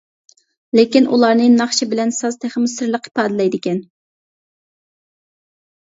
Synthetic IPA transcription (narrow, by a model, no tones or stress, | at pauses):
lɪkʲinṵlˠɑɾnɨnɑχʃibɪlɛnsɑzt̪ʰæχmʊsɨɾlˠəqʰi̥pɑːd̪ɪlɛjd̪ɪkʲɛn